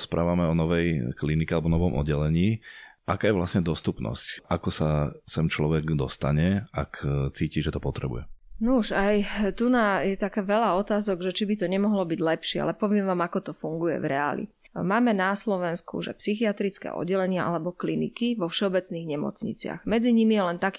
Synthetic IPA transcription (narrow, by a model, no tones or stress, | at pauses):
spɾʔaːʋamɛɔnɔʋɛjklinikɛalɛbɔnɔʋɔmʔɔ̰dːɛlɛɲiːʔakaːjɛʋlasɲɛd̪ɔst̪upnɔ̰scʔakɔsasɛnt͡ʃlɔʋɛɡd̪ɔst̪aɲɛakt͡siːciːʒɛt̪ɔpɔt̪ɾɛbṵjɛnuʃajt̪unajɛt̪akaːʋɛlaɔt̪aːzɔɡʒɛt͡ʃibit̪ɔɲɛmɔɦlɔbiɟlɛpʃɪɛ̰a̰lɛpɔʋɪɛmʋaːmakɔt̪ɔfuŋɡujɛ̰vɾɛa̰lḭ | maːmɛnaslɔʋɛnskṵʒɛ̰psixiat̪ɾit͡skɛ̰ɔ̰ɟːɛlɛɲɪaʔa̰lɛbɔklinḭkiʋɔfʃɛɔbɛt͡sniːɣɲɛmɔ̰t͡sɲḭt͡sɪa̰ɣmɛd͡ziɲimijɛlɛnt̪akː